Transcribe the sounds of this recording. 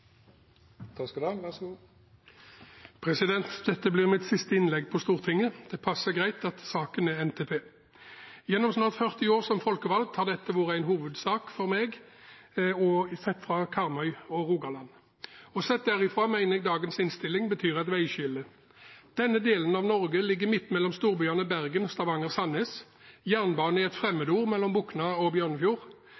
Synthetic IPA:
t̪ʰɑskud̪ɑːɡʋæs | pʰʁɛsɪd̪ɛnt̪d̪̥ɛt̪ːəblɪːʁmɪt̪sɪst̪əɪnlɛɡpʰɔst̪uːʁt̪ʰɪŋːəd̪̥ɛpʰɑsːəɡʁæɪt̪ɑt̪sɑːkənæɛnt̪ʰeːpʰeː | jɛnːɔmsnɑːʁt̪fœʁt̪ɪoːʁsɔmfɔlkəʋɑlɡ̪̚t̪hɑʁd̪ɛt̪ːəʋɑːʁəæɪnɦuːʋəd̪sɑːkfɔʁmeɡ | ɔsɛt̪ːfʁɑkʰɑʁmœʏɔʁuːɡɑlɑnː | ɔsɛt̪̚d̪æɾɪfʁɑːmæɪnəɡd̪ɑːɡənsɪnst̪ɪlːɪŋbət̪ʰyːʁɑt̪ʋæɪɕʏlə | d̪̥ɛnːəd̪eːlənɑʋnɔʁɡəlɪɡːəmɪt̪ːmɛlːɔmst̪uːʁbʏɑnəbæʁɡənɔst̪ɑʋɑŋəʁsɑneːs | jæːʁnbɑːnɪɛt̪fʁɛmːəd̪əuːʁmɛlːɔmbuknɑɔbjøːʁnəfjuːʁ

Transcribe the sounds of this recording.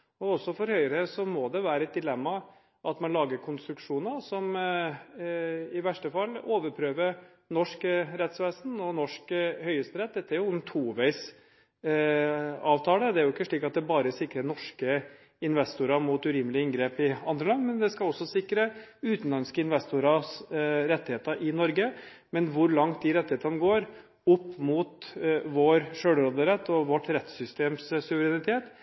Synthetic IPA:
ɔɔsːɔfɔɾhœʏəɾəsɔmɔd̪ɛʋæːɾəɛt̪̚d̪ɪlɛmːɑ | ʔɑt̪mɑnlɑːɡəɾkʰʊnst̪ɾʉkʂuːnəsɔm | ɪʋæʂʈəfɑlːoːʋəɾpʰɾøːʋəɾ | nɔʂkɾɛt̪sʋeːsn̩ɔnɔʂkhœʏəst̪əɾɛt̪̚d̪ɛt̪ːəæɾjʊʊnt̪ʰuːʋæɪs | ɑːʋt̪ʰɑːləd̪ɛæɾjʊɪkːəʂɭiːkɑt̪̚d̪ɛbɑːɾəsɪkɾənɔʂkə | ɪnʋɛst̪ʊɾɑmuːt̪ʉɾɪmlɪəɪŋɡɾeːpɪɑnd̪ɾəlɑnːmɛnd̪ɛskɑlɔsːɔsɪkːɾəʉːt̪n̩lɑnskəɪnʋɛst̪ʊɾɑsɾɛt̪ːɪheːt̪əʔɪnɔɾɡə | mɛnʋʊɾlɑŋt̪̚d̪ɪɾɛt̪ːɪheːt̪ɑnəɡoːɾ | ʊpːmuːt̪ʋoɾʂøːɽɾod̪əɾɛt̪ːɔʋɔʈːɾɛt̪ːsʏst̪eːmssʉʋəɾɛnɪt̪ʰeːt̪

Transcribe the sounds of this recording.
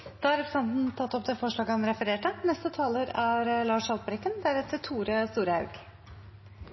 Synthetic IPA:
d̪̥ɑːɑɾɛpɾəsɛnt̪n̩t̪ʰɑt̪ːɔp̚d̪eːfɔʂɭɑːɡəɔmɾɛfəɾeːʈənɛst̪ət̪ʰɑːləɾæɾlɑːʂɑlpəɾɪkːənd̪æɾɛt̪ət̪ʰuːɾəst̪uːɾəhɑʉɡ̥

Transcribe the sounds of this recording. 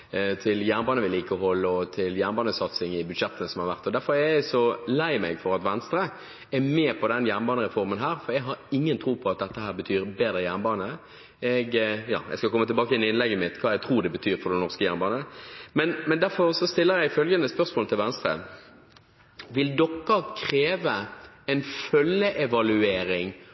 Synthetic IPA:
t̪ʰɪljæːʁnbɑːnəʋɪliːkəɔɦɔlːəɔt̪ʰɪljæːʁnbɑːnəsɑt̪sɪŋɪbʉd̪ʃɛt̪ːənəsɔmhɑɾʋæʁt̪ːɔd̪æɾfɔʁɛjæɪsɔlæɪmɛɡfɔʁɑt̪ʋɛnst̪ɾə | ɛmɛːpʰɔd̪ɛnjæːʁnbɑːnəʁɛfɔʁmənɦæːʁfɔɾjæɡɦɑʁɪŋːənt̪ʰɾuːpʰɔɑt̪̚d̪ɛt̪ːəɦæːʁbət̪ʰyːɾbeːd̪əjæːʁnbɑːnə | ɛɡjɑ̰ːjɛ̰ɪskɑlkʰɔmːət̪ɪlbɑːkəjɛnɪɪnlɛɡːəmɪt̪ːkʰɑːɛɡt̪ʰɾuːd̪ɛbət̪ʰyːɾfɔɾd̪ɛnɔʁskəjæ̰ɾnbɑːnəmɛnmɛnd̪æɾfɔɾsɔst̪ɪlːəɾjæɪɪfœlɡənəspœʁsmoːlt̪ɪlʋɛnst̪ɾə̰ | ʋɪld̪ɔkːɑkʰɾeːʋəɛnfœlːəʔɛʋɑlʉeːɾɪŋ

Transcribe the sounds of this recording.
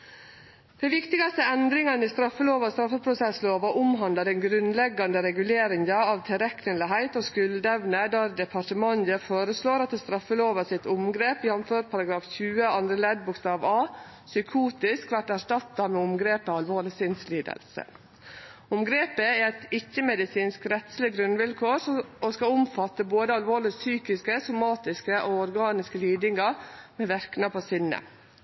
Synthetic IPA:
d̪̥ɛʋɪkt̪ɪɡɑst̪əɛnd̪ɾɪŋɑnist̪ɾɑfːəloːʋɑst̪ɾɑfːəpʰɾʊsɛsloːʋɑʔʊmɦɑnd̪ɑɾɛnɡɾʉnlɛɡːɑnd̪əɾɛɡʉleːɾɪŋɑɑʋt̪ʰɪɾɛknəlɪɦæɪt̪oːskʉld̪əɛʋnəd̪ɑɾd̪ɛpʰɑʈəmɑnj̪əfoːɾəsloːɾɑt̪ɛst̪ɾɑfːəloːʋɑsɪt̪ʊmɡɾeːpɪhɑnføːɾpʰɑɾɑɡɾɑːfçʉːəɑnd̪ɾəlɛd̪̚bʊkst̪ɑːʋɑː | sʏkʰuːt̪ɪskʋæʈæʂʈɑt̪ːɑmɛːʊmɡɾeːpəɑlʋoːɭɪsɪnsliːd̪ə̰lsə̰ | ʊmɡɾeːpəɛɾɛt̪ɪçːəmɛd̪ɪsiːnskɾɛt̪slɪɡɾʉnʋɪlkʰoːɾɔskɑʊmfɑt̪ːəboːd̪əɑlʋoːɭɪsyːkɪskəsʊmɑːt̪ɪskəʔoɔɾɡɑːnɪskəlyːd̪ɪŋɑɾmɛːʋæɾknɑpʰɔsɪnːə̰

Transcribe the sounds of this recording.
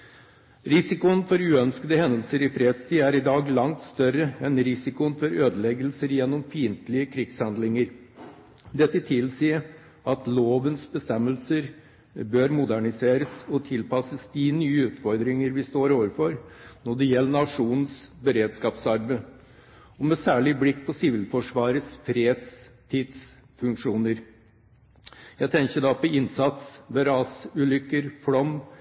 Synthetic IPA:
ɾɪsɪkʊənfɔɾʉːœnskəd̪əhɛnd̪əlsəɾɪfɾeːd̪st̪iːæɾɪd̪ɑːɡlɑŋt̪st̪œɾəɛnɾɪsɪkʊənfɔɾøːd̪əlɛɡəlsəɾjɛnːɔmpʰiːnt̪lɪəkʰɾɪɡshɑnd̪lɪŋəɾ | d̪ɛt̪ːət̪ʰɪlsiːə | ɑt̪loːʋənsbəst̪ɛmːəlsəɾ | bøːɾmʊd̪æɳɪseːɾəsɔt̪ʰɪlpʰɑsəsd̪ɪnyːəʉːt̪fɔɾd̪ɾɪŋəɾʋɪst̪oːɾoːʋəɾfɔɾnɔɖɛjɛlːənɑʂuːnnsbəɾeːd̪skɑːpsɑɾbə | ɔmɛsæːɭɪblɪkːpʰɔsɪʋɪlfɔʂʋɑːɾəsfɾeːd̪st̪ʰiːd̪s | fʉŋkʂuːnəɾ | jæɡt̪ʰɛŋçəd̪ɑpʰɔɪnsɑt̪sʋɛɾɑːsʉːlʏkːəɾfɽɔm

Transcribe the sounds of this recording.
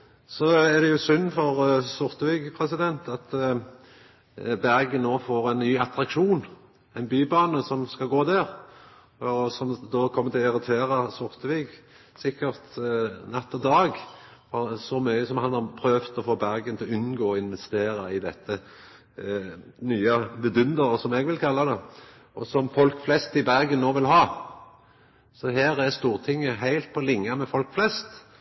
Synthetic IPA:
sɔɛʁd̪ɛjʊsʏnːfɔʁsʊʁt̪əʋɪɡpʰʁɛsɪd̪ɛnt̪ɑt̪ | bæʁɡənnːoːfoːɾɛɪnnyːɑt̪ɾɑkʃuːn | ɛnbyːbɑːnəsɔmskɑɡoːd̪æʁ | ɔsɔmd̪oːkʰɔmːət̪ʰɪlɪɾɪt̪ʰeːɾɑsʊʁt̪əʋɪɡ | sɪkːəʁt̪nɛt̪ːɔd̪ɑːɡfɔʁsɔmyːəsɔmhɑnhɑʁpʰɾøːʋt̪ɔfoːbæʁɡənt̪ʰɪlɔʉnɡoːɔɪnʋɛst̪eːɾɑɪd̪ɛt̪ːə | nyːɑbɛd̪ʉnd̪əʁəsɔmɛɡʋɪlkʰɑlːɑd̪ɛ | ɔsɔmfɔlkflɛst̪ɪbæʁɡənːoːʋɪlɦɑː | sɔɦæːɾæʁst̪uːʁt̪ʰɪŋːəɦæɪlt̪̚pʰɔlɪŋːɑmɛfɔlkflɛst̪

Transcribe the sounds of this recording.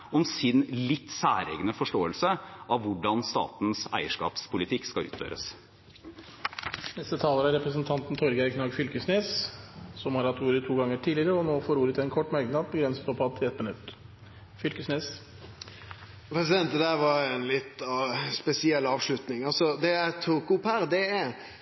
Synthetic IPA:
ɔmsɪnlɪt̪ːsæ̰ːɾḛːɡənəfɔʂʈoːəlsəɑʋʋʊɖɑnst̪ɑ̰ːt̪nsæ̰ɪəʂkɑ̰ːpspʰʊlɪt̪ʰɪkːskɑʉ̰ːt̪fø̰ːɾə̰s | nɛst̪ət̪ʰɑːləɾæɾɛpɾəsnt̪ʰɑnt̪n̩t̪ʰɔɾɡækʰnɑɡfʏlkəsneːssɔmhɑɾɑt̪uːɾət̪ʰːuːɡɑŋːəʈʰiːlɪɾəɔnoːfoːɾuːɾət̪ɛnkʰɔʈːmɑɾɡnɑd̪̚bəɡɾɛnsə̥t̪pʰɔpʰɑd̪ʰɪlɛt̪mɪnʉ̰t̪ː | fʏlkəsneːs | pʰɾɛsɪd̪ɛnt̪d̪æʋɑɾɛnlɪt̪ːɑspɛsɪɛlːɑːʋʂlʉt̪nɪŋɑlsɔd̪ɛæt̪ʰukʊpæɾd̪ɛæ

